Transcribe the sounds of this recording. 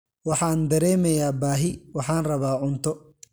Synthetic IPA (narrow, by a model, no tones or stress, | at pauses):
wɑħɑːnd̪ɐɾɛːmɛjaːbaːɦɪwɑħɑːnrɐβaːʕʊnt̪ʰɔ